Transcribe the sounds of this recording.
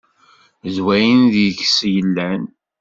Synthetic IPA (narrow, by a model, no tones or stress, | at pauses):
zwæjənðjəçsjəlːæn